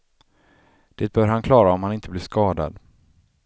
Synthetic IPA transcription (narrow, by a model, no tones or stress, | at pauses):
d̪̥eːt̪̚b̥œːɾhankʰlɑːɾaɔmhanɪnt̪əblɪʂkɑːd̪a̰d̪